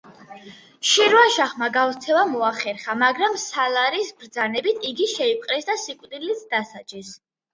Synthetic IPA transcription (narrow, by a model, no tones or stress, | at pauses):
ʃiɾuaʃaχmaɡavt̪sʰɛvamɔaχɛɾχamaɡɾamsalaɾisbɾd̪zanɛbit̪ʰiɡiʃɛip̚ʼqʼɾɛsd̪asikʼd̪ilit̪ʰd̪asad͡ʒɛs